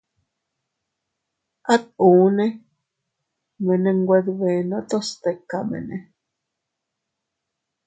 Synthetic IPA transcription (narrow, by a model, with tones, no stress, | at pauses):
a˦t̪̚u˨˦nẽ˦ | mẽ˨nẽ˧ŋɡʷe˧ðwe˨nõ˧t̪o˦st̪e˧ka˨mḛ̃˨nḛ̃˧